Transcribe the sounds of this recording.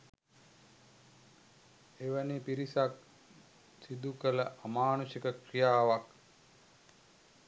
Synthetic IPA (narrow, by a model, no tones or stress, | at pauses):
eʋənepiɾisak̚ | sid̪ukələʔamaːnusikəkrijaːʋak